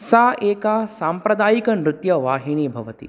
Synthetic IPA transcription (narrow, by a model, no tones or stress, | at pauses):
saːʔeːkaːsaːmpɾɐd̪aːjikɐnɾut̪jɐʋaːɦiɳ̃ibʱɐʋɐt̪ḭ